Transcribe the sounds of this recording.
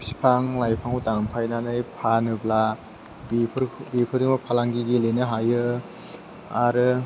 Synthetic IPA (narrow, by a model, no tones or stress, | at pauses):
si̥pʰaŋlajpʰaŋutaŋmpʰajnanɯjpʰanɯbla | bʰɾbipʰɯɾimapʰalaŋɡiɡilenɯɦajɯ | aɾɯ